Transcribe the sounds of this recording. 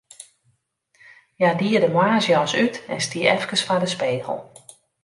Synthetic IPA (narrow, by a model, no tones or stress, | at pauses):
jadiədəmwaːsjɔːsytɛnstiəʔɛfkəsfadəspeːɣə̰lˠ